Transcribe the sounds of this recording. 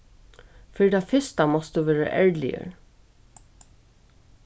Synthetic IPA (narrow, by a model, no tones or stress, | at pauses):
fɪɾit̪ʰafɪst̪amɔst̪d̪uʋɛːɾa̰ʔɛɹlɪ̰jə̰ɹ